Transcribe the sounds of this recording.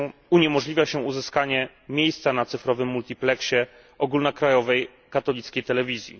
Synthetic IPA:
uɲɛmɔʐlʲivʲjaɕɛuzɘskaɲɛ | mʲjejst̪sanat̪sɘfɾɔvɘmːult̪ʲiplɛkɕɛ | ʔɔɡulnakɾajɔvɛj | kat̪ɔlʲit̪skʲejt̪ɛlɛvʲizʲjḭ

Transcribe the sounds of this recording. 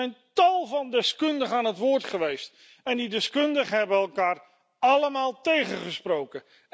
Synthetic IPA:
ɛjntɑlˠvɑndɪskɵndəχəaːnɦətʋʊːɹtχəʋejst | ɛndidɪskɵndəχəɦɛbənɛlˠkaːr | ɑləmaːlˠtejχəχəsprowkə

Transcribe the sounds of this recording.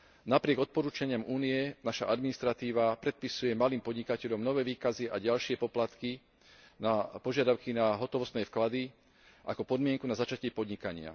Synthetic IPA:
napɾɪɛɡɔt̪̚pɔɾuːt͡ʃaɲɪamuːniɛnaʃa̰ʔad̪minist̪ɾat̪iːʋapɾɛt̪̚pisujɛmaliːmpɔd̪ɲikacɛʎɔmnɔʋɛːʋiːkaziʔaɟalʃɪɛpɔplat̪ki | napɔʒɪad̪aʊkinaɦɔt̪ɔʋɔst̪nɛfklad̪i | ʔa̰kɔpɔd̪mɪɛŋkunazat͡ʃacɪɛpɔd̪ɲikaɲɪa̰

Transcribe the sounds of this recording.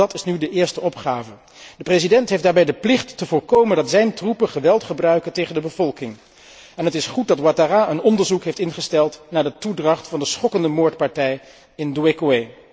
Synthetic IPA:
ɑtɪsnydəʔɪːɹstəɔpχaːvə | dəprezidɛntɦejfdaːɹbɛjdəplɪχtːəvʊːɹkowməndɑtzɛjntrupəχəʋɛlˠtχəbrœɥkəntejχəndəbəvɔlˠkɪŋ | ɛnɦətɪsχut̚dɑtwataraːənɔndəɹzukɦejftɪnχəstɛlˠtnaːɹdətudrɑχtfɑndəsχɔkəndəmoːɹtpɑɹtɛj | ɪnduekuej

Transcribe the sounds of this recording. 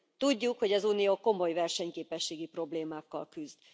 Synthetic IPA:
t̪uɟːukho̞ɟɒzuːnijoːko̞mo̞jvɛrʃɛɲkeːpɛʃːeːɡipro̞bleːmaːkːɒ̰lkyzd̪

